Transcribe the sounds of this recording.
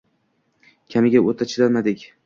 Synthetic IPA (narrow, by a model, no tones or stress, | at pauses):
kʲʰamɪɡʲaʔot̪ʰat͡ʃʰɪd̪aɾmad̪ɪkʲ